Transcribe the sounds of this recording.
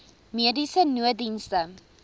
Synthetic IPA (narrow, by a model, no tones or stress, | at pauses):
miədisənuədinstə